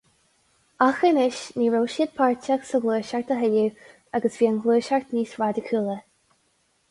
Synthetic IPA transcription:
axənɪʃniːɹowʃiəd̪̚pʰaɹt͡ʃaksəɡluːʃaɹt̪əɦɛlu | aɡəsv̥iːənɡluːʃaɹt̪niːsɹad̪ɪkʰuːlə

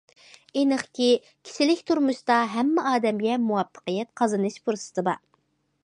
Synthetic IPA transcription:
enəχkʲi | kʲʰi̥ʃɪlɪkʲt̪ʰuɾmuʃt̪ɑɦɛmːɛʔɑːd̪ɛmɡʲɛmuwɑpʰːə̥qəjɛt̪̚qʰɑzɨnɨʃpʰuɾsɨ̥t̪ʰɨbɑ̰

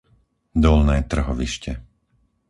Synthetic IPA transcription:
d̪ɔlnɛːt̪r̩ɦɔʋiʃcɛ

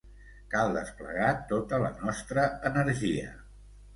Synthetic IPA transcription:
kalˠd̪əsplə̰ɣat̪ot̪ələ̰nɔst̪ɾəːnəɾʒiə̰

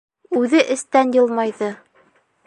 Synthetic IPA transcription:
ʉðɘʔɘ̆st̪ænjɤ̆lˠmɑjðɤ

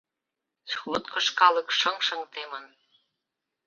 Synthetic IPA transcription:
suβŏt̪kɤ̆ʃkɑlɤ̆kʃɤ̆ŋʃə̆ŋt̪emə̆n

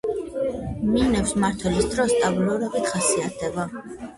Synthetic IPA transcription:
minɛfsmaɾt̪ʰwɛlisd̪ɾɔsːt̪ʼabulɔɾɛbit̪χasiat̪ʰɛba

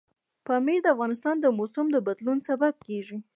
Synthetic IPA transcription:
pɑmed̪əafɣɑnɪs̬t̪ɑnd̪əmosʊmd̪əbad̪lunsabab̚keʐi

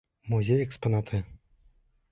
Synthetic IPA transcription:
muzʲejɛkspɔnat̪ʰɨ

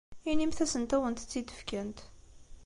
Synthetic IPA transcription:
inimθæsənt̪æwənt̪t͡sːid̪ə̥fkænt̪

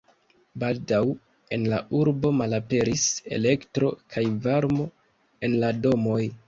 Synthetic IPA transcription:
baldaw | e̞nlaʔuɾbo̞malape̞ɾise̞̰le̞ktɾo̞̰kʰajvaɾmo̞ | e̞nlado̞mo̞j

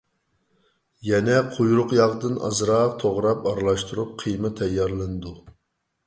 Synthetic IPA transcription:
jɛnɛqʰojɾʊqjɑʁd̪ɨnɑ̰zɾɑqt̪ʰoʁɾɑpɑɾlˠɑʃt̪uɾup̚qʰijmɨt̪ʰːɛjːɑɾlˠɨnɨd̪u

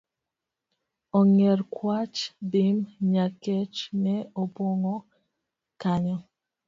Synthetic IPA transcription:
ɔŋɛɾkwat͡ʃbimɲakɛt͡ʃnɛɔpɔŋɔ | kaɲɔ

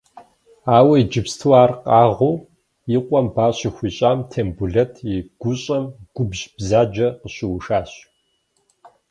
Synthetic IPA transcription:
aːwɐid͡ʒɪpstʰuwaːrqɑːʁoː | jiqʷʼɔmbaːɕɪxʷiːɕʼaːmtʰeːmbuɮɐtʰiɡ̥ʷʊɕʼɐmɡ̥ʷʊbʒb̥zaːd͡ʒɐqəɕɪwʂaːɕ

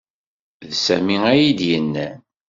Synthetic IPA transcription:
ðsæmiæjid̪jənːæn

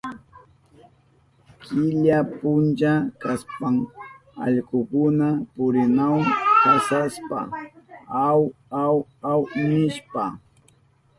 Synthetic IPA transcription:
kɪʎapʊnt͡ʃakaspaŋ | ɑ̰ʎkʊkʊnapʊɾɪnawaŋkasaspa̰ | awawawnɪʃpa

